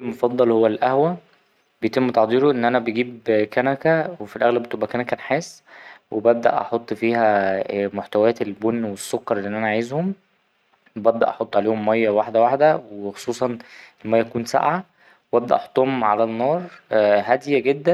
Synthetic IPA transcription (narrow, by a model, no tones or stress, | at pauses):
lmofɑd̪ˤːɑlhowːælʔæhwæ | bejet̪emːt̪ɑʕd̪ˤiːɾoʔenːʔænæbeɡiːbkænækæwefilʔæɣlæbet̪ebʔækænækænħeːsːwʔebæb̚d̪æ̰ʔɑ̰ħot̪ˤːfiːhæmoħt̪æwææːt̪elbonːwesːokːɑɾˤelːiʔenːʔænæʔʕajezhom | bæbd̪æ̰ʔɑħot̪ˤːʕaleːhomːæjːæwaħd̪æwaħd̪æwxo̥sˤuːsˤɑnʔelmæjːækuːnsa̰ʔʕa | webæb̚d̪æʔɑħo̥t̪ˤːohomʕalænːɑːɾˤɦæd̪ejæɡed̪ːæ